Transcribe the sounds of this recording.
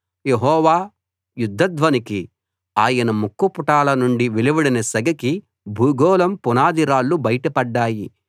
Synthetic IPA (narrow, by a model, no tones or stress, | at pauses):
jeɦɔːʋaː | jud̪ʱːɐd̪ʋɐniki | aːjɐnɐmukːupuʈaːlɐnuɳɖiʋiliʋɐɽinɐsɐɡɐki | bʱuːɡɔːlɐmpunaːd̪iɾaːlːubɐjɐʈɐpɐɖːaːji